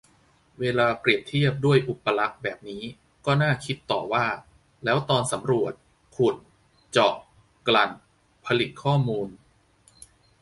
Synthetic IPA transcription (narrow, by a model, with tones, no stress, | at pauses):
weː˧laː˧pɾi˨˩ənt̪ʰi˥˩əp̚du˥˩əjʔu˨˩pːa˧la˦˥k̚bɛː˨˩p̚niː˦˥ | kɔː˥˩naː˥˩kʰi˦˥t̪ːɔː˨˩waː˥˩ | lɛː˦˥wt̪ɔː˧nsa˩˦mɾu˨˩ət̪̚ | kʰu˨˩t̪̚ | t͡ɕɔː˨˩k̚ | kla˨˧n | pʰa˧li˨˩t̪̚kʰɔː˥˩muː˧n